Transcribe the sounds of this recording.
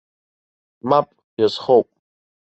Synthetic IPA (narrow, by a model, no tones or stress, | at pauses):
mapʼ | jazχowpʼ